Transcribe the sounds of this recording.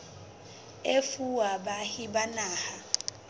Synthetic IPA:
efuwaɓahiɓanaːha

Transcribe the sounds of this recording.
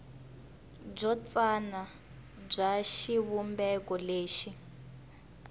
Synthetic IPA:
b͡ʐɔt͡sana | b͡ʐʷaʃiβumbɛkɔleːʃi

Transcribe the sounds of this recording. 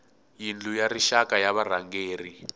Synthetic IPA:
jind͡ɮujariʃakajaβaraŋɡeːri

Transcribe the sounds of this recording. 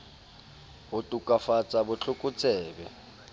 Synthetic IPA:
ɦʊtʼukʼafat͡sʼabʊt͡ɬʰʊkʼʊt͡sʰɛːbɛ̰

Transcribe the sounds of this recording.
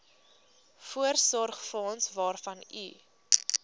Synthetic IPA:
fuərsɔrχfɔnsvɑːrfɐnḭ

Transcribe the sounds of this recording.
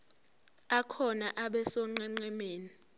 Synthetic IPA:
akʰɔnaʔaɓɛsɔŋ͡ǃɛŋ͡ǀɛmeːni

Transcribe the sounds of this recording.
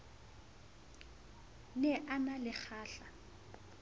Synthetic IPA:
nɛʔanalɪk͡xʰaːɬa

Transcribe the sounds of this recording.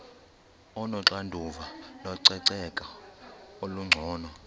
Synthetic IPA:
ɔnɔǁandʱuvalɔǀɛǀɛkʼa | oluŋ͡ǀʱɔːnɔ

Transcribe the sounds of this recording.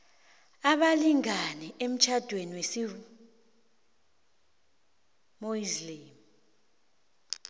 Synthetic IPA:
aɓaliŋanɛʔem̩t͡ʃʰad̥ʱweniwesi | moizliːm

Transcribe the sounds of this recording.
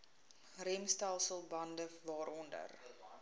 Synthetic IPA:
rɛmstalˠsəlˠbɐndəvɑːɾɔndə̰r

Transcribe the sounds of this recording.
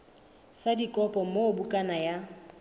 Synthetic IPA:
sadikʼɔpʼɔmobukʼanaja

